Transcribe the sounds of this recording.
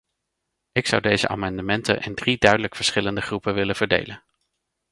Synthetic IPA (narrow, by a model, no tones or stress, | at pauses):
ɪksʌwdejzə̰ʔa̰ːmɑndəmɛntə̰nʔɪndridœɥdələkfəɹsχɪləndəχrupəʋɪlənv̥əɹdḛjlən